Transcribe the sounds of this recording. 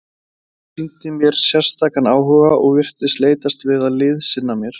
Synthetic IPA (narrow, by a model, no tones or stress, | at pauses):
sint̪ɪmjɛɾ̥sjɛr̥st̪ʰaːkanaːwɦœːɣaʔɔɣvɪr̥t̪nɪst̪leːjt̪ast̪vɪðaðlɪðsɪnːamjɛɾ̥